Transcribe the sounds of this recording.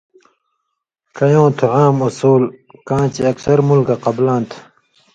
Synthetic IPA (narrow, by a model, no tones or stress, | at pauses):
kɐjõːt̪ʰuʕaːmusuːlkãːt͡ɕiɐksɐɾmulkɐqɐblãːnt̪ʰ